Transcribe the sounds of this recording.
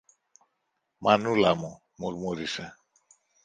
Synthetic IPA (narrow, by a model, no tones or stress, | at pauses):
manulɐmu | muɾmuɾise